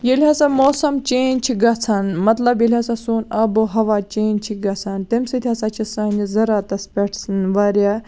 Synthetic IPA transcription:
jelʲɦaːsamoːsɐmt͡ʃeːnʲt͡ʃʰiɡɐt͡sʰɐnmɐt̪lɐbjelʲɦaːsasuːnɐboɦɐʋaːt͡ʃeːnt͡ʃʰiɡɐt͡sʰɐnt̪imsit̪ʰʲiasɐt͡ʃʰisanizɐɾaːt̪ɐspʲeʈʰsnʋaɾjaː

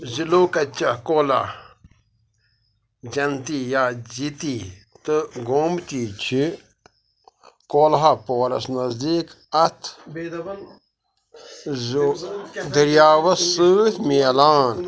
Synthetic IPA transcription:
ziloːkɐt͡ʃɐkoːla̰ | d͡ʒɐnt̪iːjaːd͡ʒit̪iːt̪ɨɡoːmt̪iːt͡ʃʰi | koːlɦapoːɾɐ̰snɐzd̪iːk | ɐt̪ʰ | z | d̪ɐɾjaːʋɐsɨːt̪ʰmeːlaːn

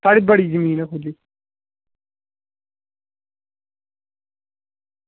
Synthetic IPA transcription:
t̪aːɽiːbəɽiːzəmiːnɛkʰuliː

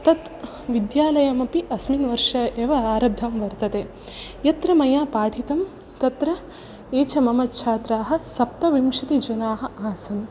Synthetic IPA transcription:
t̪ɐt̪ | ʋid̪jaːlɐjɐmɐpiʔɐsminʋɐɾʂɐeːʋɐaːɾɐb̚d̪ʱɐmʋɐɾt̪ɐt̪eː | jɐt̪ɾɐmɐjaːpaːʈʰit̪ɐm | t̪ɐt̪ɾɐ | eːt͡ʃɐmɐmɐt̪t͡ʃʰaːt̪ɾaːɦɐ̆sɐp̚t̪ɐʋimʃɐt̪id͡ʒɐnaːɦɐ̆aːsɐm

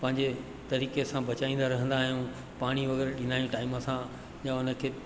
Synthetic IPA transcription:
pɐ̃ɦɪ̃ɲd͡ʑe | t̪ɐɾiːkesãbɐt͡ɕaːĩːnd̪aɾɐɦə̃nd̪aːɦijũ | paːɽ̃iʋɐɣɛːɾɗɪ̃naːjũʈaːɪməsã | ʄãʊnə̆kʰeː

